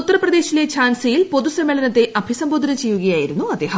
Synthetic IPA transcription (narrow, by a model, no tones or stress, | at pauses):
ut̪ːɐrɐprɐd̪e̞ːɕile̞t͡ɕʰaːnsɐjilpo̞ðusɐmːeɭɐnɐt̪ːe̞ʔɐbʱisɐmboːd̪ʱɐnɐt͡ɕe̞jːuɣɐjaːjiɾunːuɐd̪eːɦɐ